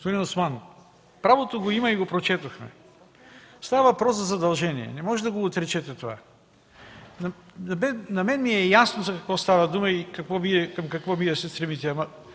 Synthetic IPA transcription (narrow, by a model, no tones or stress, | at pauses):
t̪oɾinosmano | pɾavot̪oɡoimɐiɡopɾot͡ʃɛt̪oxmɛ̰ | st̪avɐvɐpɾɔszɐzɐd̪ɐlˠʒɛniɛ̰nɛmɔʒɛd̪ɐɡoːt̪ɾɛt͡ʃɛt̪ɛt̪ova̰ | nɐɐmɛnɐmɛnmiɛjasnozɐkɐkvɔst̪avɐd̪umɐikɐkvɔviɛkɐmkɐkvɔmiɛsɛst̪ɾɛmit̪ɛamɐ